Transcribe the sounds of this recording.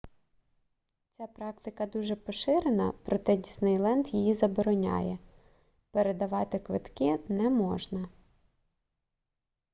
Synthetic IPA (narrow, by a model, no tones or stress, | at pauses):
t͡sʲapɾɑkt̪ɪkɐd̪uʒɛpɔʃɪɾenɐ̰pɾɔt̪ɛdʲisnɪjlˠɛnt̪jijizɐbɔɾɔnʲa̰jɛ | peɾed̪ɐʋɑt̪ɪkʋɪt̪kɪnɛmɔʒnɐ